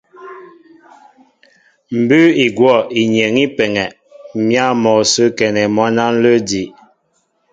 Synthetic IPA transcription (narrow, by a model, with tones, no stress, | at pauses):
m̩˨bʉ˦i˨ɡwɔ˦˨i˨ɲe˨ŋi˦pɛ˨ŋɛ˨ | mja˦˨mɔ˨sə˦kɛ˨nɛ˨mɔ˦na˦n̩˦lə˦di˨ʔ